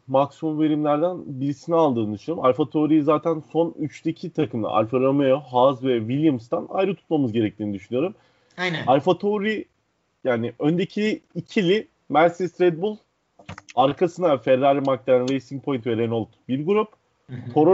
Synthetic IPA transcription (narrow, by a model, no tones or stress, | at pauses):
maksimumve̞ɾimlʲæɾd̪ænbiɾisinialˠd̪ɯːnɯd̪yʃnoɾumalʲfat̪ʰoɾijizaːt̪ʰænso̞nyt͡ʃt̪ʰecʰit̪ʰakʰɯmd̪ˠa̰ʔa̰lʲfaɾamejoɦazvɛvilʲjamst̪ʰana̰jɾɯt̪ʰu̥t̪̚mamɯzɟe̞ɾɛc̚t̪ʰiːnid̪yʃynyjo̞ɾum | ajnalfat̪ʰoɾi | jaːnɪʔønd̪ecʰiːcʰilʲi | mæɾsist̪ɾet̪̚bulˠ | aɾkʰasɯnafeɾalʲimak̚t̪ænɾejsiŋ̚pʰo̞jnvɛɾenolˠt̪biɾɡuɾup | t̪ʰo̞ɾ